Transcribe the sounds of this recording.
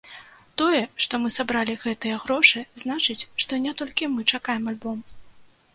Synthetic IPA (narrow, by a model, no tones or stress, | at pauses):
t̪ɔjɛʂt̪ɔmɨsabɾalʲiɣɛt̪ɨjɐɣɾɔʂɨznat͡ʂɨt͡sʲʂt̪ɔnʲɛt̪ɔlʲkʲimɨt͡ʂakajɛmalʲbɔm